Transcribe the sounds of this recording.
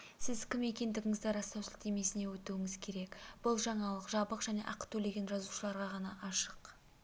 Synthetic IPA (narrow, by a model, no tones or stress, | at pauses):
sɪzkʲɪme̞kʲe̞nd̪ɪɡʲɪŋɪzd̪ɪɾɑst̪ɑwsɪlɪqt̪eme̞sɪne̞wɵt̪uɪŋɪzkʲʰe̞ɾe̞kb̥ʊlˠʒɑɴɑlˠəqʒɑbəqʒ̥æne̞̰ʔɑqt̪ʰɵle̞ɡʲe̞nʒɑzuʃəlˠɑɾʁɑʁɑnɑʔɑʃəq